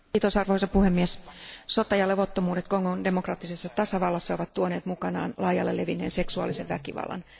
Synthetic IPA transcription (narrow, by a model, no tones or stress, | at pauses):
it̪osɑrʋoisɑpuhemːiɛssot̪ɑjɑlːeʋot̪ːomuːdet̪koŋːonde̞mokrɑːt̪ːisesːɑt̪ɑsɑʋɑlːɑsːɑoʋɑt̪t̪uoneːt̪mukɑnɑ̰ːnlɑijɑ̰lːeleʋinːeːnseksuɑ̰lːiseʋʋæ̰kiʋɑ̰lːɑ̰n